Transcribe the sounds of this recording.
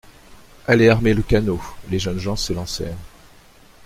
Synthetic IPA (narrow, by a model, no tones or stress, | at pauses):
ɛlɛaʁmeləkanoleʒœnʒɑ̃səlɑ̃sɛːʁ